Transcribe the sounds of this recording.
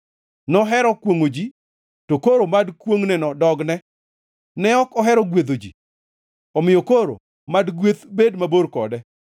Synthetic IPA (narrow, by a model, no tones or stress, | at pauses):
nɔɦɛɾɔkwoŋod͡ʒi | tokoɾomadkwoŋnɛnɔdɔɡnɛ | nɛɔkɔɦɛɾɔɡwet̪od͡ʒi | ɔmɪjokoɾo̰ | madɡwet̪bedmaboɾkɔdɛ